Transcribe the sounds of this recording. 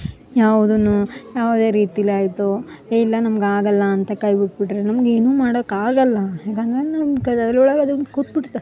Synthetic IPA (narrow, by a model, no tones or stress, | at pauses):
jaːʋud̪ɐnːujaːʋd̪e̞ːɾiːt̪iɐlaːjt̪ueːilːɐnɐmɐɡaːɡɐlːɐːnt̪ɐkɐjbiʈ̚biʈɾenɐmɐɡe̞ːnuːmaːɽod̪ɐkːaːɡɐlːɐjaːkɐnd̪ɐɾenamkɐɐd̪ɐlːuːɭɐɡɐd̪unkut̪̚biʈt̪ːa